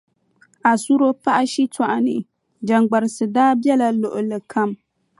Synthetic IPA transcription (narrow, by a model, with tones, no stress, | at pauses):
a˨su˦ɾo˦pa˦ʔa˦ʃi˦twa˨ʔa˨nɨ̰˨ | d͡ʒa˨ŋɡ͡ba˨ɾɨ˨sɨ˨daː˦bɛ˦la˨lʊ˨ʔʊ˨lɨ˨kʰa˦m